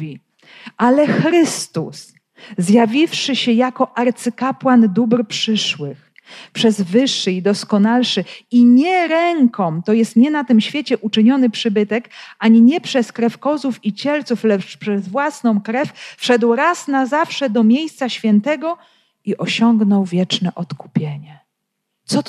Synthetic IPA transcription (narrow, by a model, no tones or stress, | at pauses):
i | ʔalɛxɾɘst̪us | zjavʲifʂɘɕɛjakɔʔaɾt̪sɘkapwand̪ubɾpʂɘʂwɘx | pʂɛzvɘʂːɘid̪ɔskɔnalʂɘiɲɛɾɛŋkɔmt̪ɔjɛst̪ɲɛnat̪ɘmɕfʲjet͡ɕɛʔut͡ʂɘɲɔnɘpʂɘbɘt̪ɛkaɲiɲɛpʂɛskɾɛfkɔzufit͡ɕɛlt̪suflɛt͡ʂpʂɛzvwasn̪ɔ̃w̃kɾɛfʲfʂɛd̪wɾasnazafʂɛd̪ɔmʲjejst̪saɕfʲjɛnt̪ɛɡɔ | iʔɔɕɔŋɡnɔwvʲjɛt͡ʂnɛʔɔt̪ku̥pʲjeɲɛ | t̪sɔ